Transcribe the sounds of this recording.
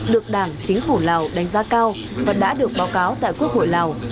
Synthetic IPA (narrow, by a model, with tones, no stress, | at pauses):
ɗɨ˨˩ək̚ɗaː˧˩ŋt͡ɕï˨˦ŋ̟fu˧˩la˨˩wɗa˨˦jŋ̟zaː˧kaː˧w | vaː˨˩ɗa̰ː˧˥ɗɨ˨˩ək̚ɓaː˨˦wkaː˨˦wt̪a̰ː˧˨jku˦˥ək̚ho̰˧˨jla˨˩w